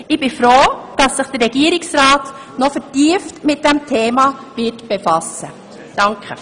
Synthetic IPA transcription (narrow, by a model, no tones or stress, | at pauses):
ʔɪb̥ɪfɾoːd̥ɑsːɪχd̥əɾɛɡ̥iːɾɪksɾɑːt | nɔfətiəftmɪt̚d̥ɛmtʰeːmɑvɪtb̥efɑsə | d̥ɑŋkʰχə